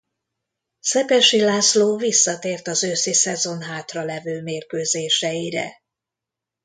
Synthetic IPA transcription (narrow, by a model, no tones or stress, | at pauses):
sɛpɛʃilaːsloːvisːɒt̪eːrt̪ɒzøːsisɛzo̞nɦaːt̪rɒlɛvøːmeːrkøːzeːʃɛjiɾɛ̰